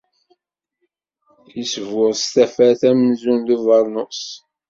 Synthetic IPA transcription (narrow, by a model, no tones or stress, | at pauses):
jisvʊɾˤst̪æfæθæmzunðivɑɾˤnoqs